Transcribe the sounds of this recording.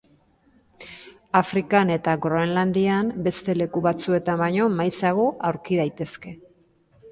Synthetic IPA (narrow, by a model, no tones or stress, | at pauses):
afɾikane̞t̪aɣɾoenland̪iambe̞st̪e̞le̞kuβat͡sue̞t̪ambajɲo̞majsaɣ̞oʔawɾkiðajt̪e̞ske̞